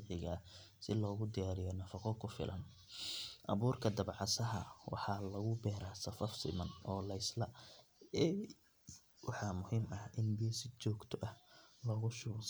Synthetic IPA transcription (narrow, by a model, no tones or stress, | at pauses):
ʕɪɣɐ | sɪlɔːɣʊd̪ɪjaːɾɪjɔnɐfɑqɔkʰʊfɪ̰lʔɐ̰n | ʔɐ̰βuːrkʰɐd̪ɐbʕɑsɐɦɐwɑ̰ħɑlɐɣʊbɛːɾaːsɐfɐfsɪ̰mɐnʔɔːlɐɪslɐ | ɛ | wʔɑħɑmʊhiːmɐhʔɪnbiːsɪt͡ʃɔːɡt̪ʰɔʔɐhlɔɣʊʃʊːs